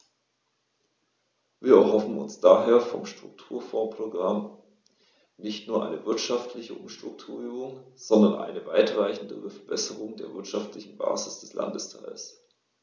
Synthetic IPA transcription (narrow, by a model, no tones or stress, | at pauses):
viːɐɛɐhɔfn̩ʊ̰nsd̥aːɦeːɐfɔ̰mʃtʁ̥ʊ̰ktʰuːɐfɔːpʁ̥oɡʁam | nɪçtnuːɐʔaɪnəvɪɐtʃaftʰlɪçəʔʊ̰mʃtʁ̥ʊk̚tʰuːɐyːbʊŋz̥ɔndɐnʔa̰ɪnəva̰ɪtʁ̥aɪçn̩dəəfɛɐb̥ɛsəʁʊŋdeːɐvɪɐtʃaftlɪçn̩ba̰ːzɪsd̥ɛslʔa̰ndəstʰaɪls